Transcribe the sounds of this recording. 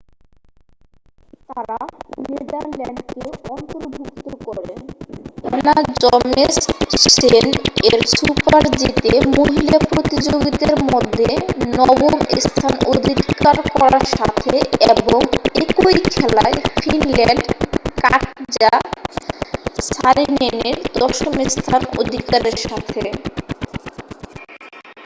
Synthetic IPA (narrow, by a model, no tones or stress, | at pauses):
t̪aɾaned̪aɾlɛɳɖ̪t̪kekɔnt̪oɾbʱuk̚t̪okɔɾenenad͡ʑɔmesʃeneɾsupaɾd͡ʑit̪emoɦilapɾot̪id͡ʑoɡit̪eɾmod̪ʱːenɔbomḛst̪ʰanod̪ʱikaɾkɔɾaɾʃa̰t̪ʰeeboŋekojkʰɛla̰efinlɛɳɖkaʈd͡ʑa | saɾineneɾd̪ɔʃomest̪ʰano̰d̪ʱikaɾeɾʃat̪ʰe